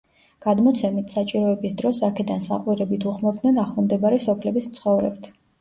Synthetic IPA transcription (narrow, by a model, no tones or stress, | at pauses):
ɡ̥ad̪mɔt̪sʰɛmit̪ʰsat͡ʃʼiɾɔɛbisd̪ɾɔsakʰɛd̪ansa̰qʼwiɾɛbit̪ʰuʁmɔb̚d̪nɛnaχlˠɔmd̪ɛbaɾɛsɔpʰlɛbismt̪sʰχɔvɾɛ̰b̚t̪ʰ